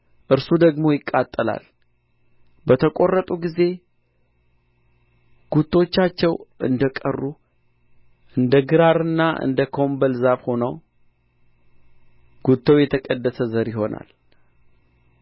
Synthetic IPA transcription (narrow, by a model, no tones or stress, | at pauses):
ʔɨɾsud̪əɡmo̞jɪkʼːat̪ʼːəla̰l | bət̪ʰəkʼo̞rːət̪ʼuɡize̞ | ɡ̥ut̪ʰːot͡ʃːat͡ʃːɛwʔɨ̰nd̪əkʼə̰rːu | ʔɨnd̪əɡɨɾaɾɨnːaʔɨ̰nd̪əkʰo̞mbəlzaβho̞nəw | ɡ̥ut̪ʰːəwjɛt̪ʰəkʼəd̪ːəsəzəɾjɪho̞na̰l